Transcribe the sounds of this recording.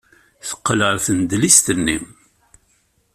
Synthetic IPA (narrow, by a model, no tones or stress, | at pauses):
θə̥qːləɾθənd̪list̪ənːim